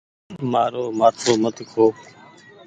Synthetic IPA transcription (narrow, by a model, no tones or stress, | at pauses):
maːɾoːmaːt̪ʰoːmət̪kʰoː